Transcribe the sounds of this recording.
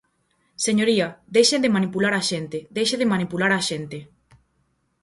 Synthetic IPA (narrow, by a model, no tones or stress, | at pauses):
seɲoɾiɐðejʃend̪emãnipulaɾaʃent̪ed̪ejʃeðemãnipulaɾaʃent̪e